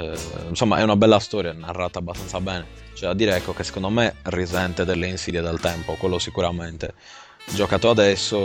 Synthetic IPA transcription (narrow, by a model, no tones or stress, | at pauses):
insɔmːa̰ʔɛ̰unabɛlːast̪ɔːɾjanarːat̪aːbast̪ant̪sabɛːnɛ | t͡ʃoɛad̪ːiːɾɛɛkːokesːe̥kõnd̪omerizɛnt̪ɛd̪ɛlːeinsid̪jɛd̪ɛlt̪ɛmpokwelːosikuɾamɛnt̪e | d͡ʒɔkaːt̪oad̪ɛsːo